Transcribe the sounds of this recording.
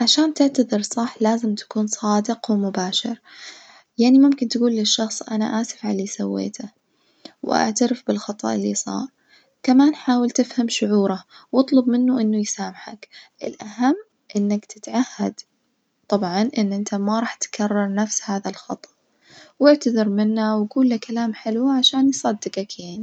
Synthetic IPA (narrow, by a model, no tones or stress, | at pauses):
ʕaʃaːnt̪ɪʕt̪aðˤɨɾsˤɑħlaːzɪmt̪ḁkuːnsˤɑːd̪ɪqwmʊbaːʃɪɾ | jaʕnimʊmkɪnt̪aɡuːlːɪʃːɑxsˤʔana̰ʔaːsɪ̥fʕaliːsawːḛːt̪ʰa | wʔa̰ʕt̪aɾɪfbɪlxɑt̪ˤɑ̰ʔɪlːisˤɑ̰ːɾˤ | kamaːnħaːwɪlt̪ɪfhamʃʊʕuːɾawɨt̪ˤlʊbmɪnːuʔɪnːʊjsaːmɪħa̰kʔɪlʔahamː | ʔɪnːakt̪ɪt̪ʕahːa̰d̪ | t̪ˤːɑbʕɑnʔɪnːʔɪnt̪amaɾˤɑːħt̪kʰarˤːɑɾˤnafshaːðalxɑt̪ˤɑ̥ʔ | wɪʕt̪aðɑɾmɪnːawaɡuːlːakalaːmħɪlwʕaʃaːnjsˤɑd̪ːɪqakeːn